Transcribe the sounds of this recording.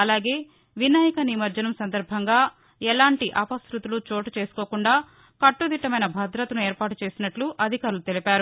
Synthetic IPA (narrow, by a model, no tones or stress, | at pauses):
ɐlaːɡe̞ː | ʋinaːjɐkɐnimɐɾd͡ʒɐnɐmsɐnd̪ɐɾbʱɐŋɡaː | ɛlaːɳʈiʔɐpɐsɾut̪ulut͡ʃo̞ːʈɐt͡ʃe̞ːsu̥koːkuɳɖaː | kɐʈːud̪iʈːɐmɐjnɐbʱɐd̪ɾɐt̪ɐnueːɾpaːʈut͡ʃeːsinɐʈluʔɐd̪ʱikaːɾulut̪elipaːɾu